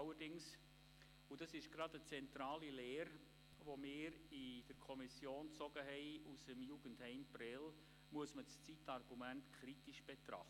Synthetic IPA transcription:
wədɪŋs | udɑsɪʃɡ̥ɾɑdət͡sɛntɾɑːlileːɾ | ʋomɪːɾɪd̥əɾkʰɔmisjoːnt͡sɔɡ̥əɦɛɪusəmjuɡ̥ənthɛɪmprɛl | muəsməst͡sitɑrɡ̥umæntkʰχɾitiʃb̥et̪ɾɑ̰χt

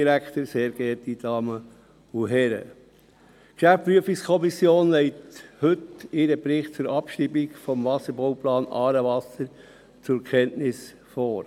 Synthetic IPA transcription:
ɾækt̪əɾseːɾɡ̥ɛɾtid̥ɑːmə | uɦɛɾə̰ | kʃæfpɾyəfikskʰɔmisjoːnlɛɪthɵtɪɾəbɾɪχt̚t͡sʊɾɑpʃɾiːbikfɔmvɑsəɾbɔʊplɑːnɑːɾəʋɑsəɾ | t͡sʊɾkʰɛntnɪs | foːɾ

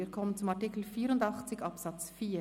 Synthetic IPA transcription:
iːkʰɔmənt͡sʊmɑʁtikl̩fiːɾʊndɑχt͡sɪçɑpsɑt͡sfiː

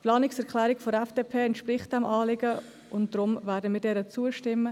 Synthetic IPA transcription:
pʰlɑːnɪksɛɾklæːɾɪkfodɛfd̥eːpʰeːɛntʃpɾɪχt̚d̥ɛmʔɑːlɪɡə | ʊntd̥ɾʊmvæːɾdəmɪːdɛːɾət͡suəʃtɪmːə

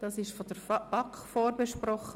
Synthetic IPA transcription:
d̥ɑsɪʃfɔdəɾfb̥ɑkχfoːɾbeʃpɾɔχə

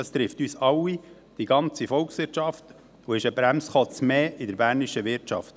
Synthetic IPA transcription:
ɑst̪ɾɪftyːsɑwi | d̥iɡ̥ɑnt͡sifɔlksʋɪɾt͡ʃɑft | uɪʃəbɾæmsχɔt͡smeːɪdəɾbæːɾniʃəʋɪɾtt͡ʃɑ̰ft

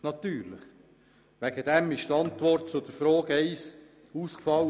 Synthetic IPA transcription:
nɑt̪yːɾlɪ̰χ | ʋæɡ̥əd̥ɛmɪʃtɑnt̪ʋɔrt̚t͡sʊd̥̪əfɾoːɡɛɪs | uːskfɑl

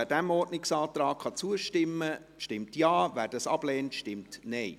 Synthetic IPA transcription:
ædæmɔɾdnɪksɑːt̪ɾɑːkχɑt͡suəʃtɪmːə | ʃtɪmtjɑːvæːɾd̥ɑsɑ̰b̥lɛːntʃtɪmtnɛj

